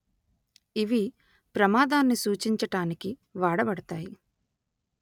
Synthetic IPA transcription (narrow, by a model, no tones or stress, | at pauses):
iʋi | pɾɐmaːd̪aːnːisuːt͡ʃiɲt͡ʃɐʈaːnikiʋaːɽɐbɐɽɐt̪aːji